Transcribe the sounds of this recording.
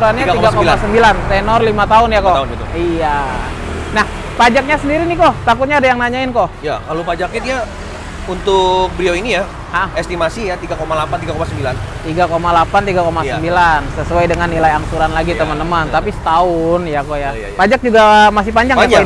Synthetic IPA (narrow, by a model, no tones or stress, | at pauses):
ɾanɲaɡ̪imɡakolasəmbilant̪enɔrlimat̪aʊnjakont̪ija | nah | pad͡ʒak̚ɲasəndiɾinikɔt̪akʊt̪̚ɲaːdajaŋnaɲaɪnkojakalupad͡ʒakɛdia | unt̪ʊk̚bɾioinija | haest̪imasijat̪iɡakomalapant̪iɡakomasəmbilant̪iɡakomalapant̪iɡakomasəmbilansəsuajdəŋanːilajaŋsuɾanlaɡit̪əmənt̪əmənt̪apisə̥t̪aʊnjakoja | pad͡ʒak̚d͡ʒuɡamasihpaɲd͡ʒaŋɲa